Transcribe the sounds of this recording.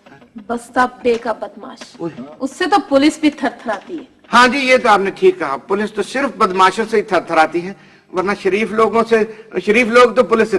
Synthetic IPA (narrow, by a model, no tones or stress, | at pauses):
bɐst̪apɖeːkabɐd̪ma̰ːʃʊsːet̪opʊlɪsbʱit̪ʰɐɾt̪ʰɐɾaːt̪iɦɛː | hãːd͡ʒiːjet̪oaːpneʈʰiːkːɐɦapʊlɪst̪osɪɾfbɐd̪maːʃõseit̪ʰɐɾt̪ʰɐɾaːt̪iɦɛ̃ː | ʋɐɾnaʃɐɾiːfloːɡõseʃɐɾiːfloːɡt̪opʊlɪse